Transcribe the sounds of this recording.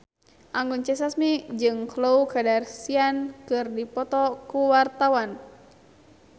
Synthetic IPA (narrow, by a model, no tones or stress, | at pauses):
ʔaŋɡunt͡ʃɛs̬asmid͡ʒɨŋkloukadarsiankɨrdipɔt̪ɔkuwart̪awan